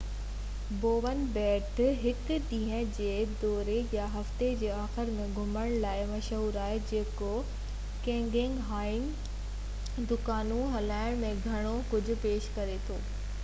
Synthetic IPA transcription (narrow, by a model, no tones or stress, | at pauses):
boːʋənbɛːʈɦɪkɗĩːɦə̃d͡ʑeːd̪ɔːɾejaɦɐft̪ed͡ʑeːaːxɪɾmẽɡʱʊməɽ̃laːɪmɐʃɦuːɾaːɦed͡ʑeːko | kẽːŋɡẽŋɡɦaːɪn | d̪ʊkaːnuɦɐlaːɪɽ̃mẽɡʱɐɽ̃okʊd͡ʑʱʊ̆peːʃkɐɾet̪ʰoː